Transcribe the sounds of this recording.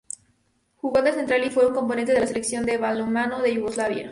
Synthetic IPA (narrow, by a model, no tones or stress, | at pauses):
xuɣond̪ese̞nt̪ɾalifweuŋko̞mpo̞nent̪eðelase̞leksjo̞nd̪eβalomanoðeʝuɣozlaβjḛɾ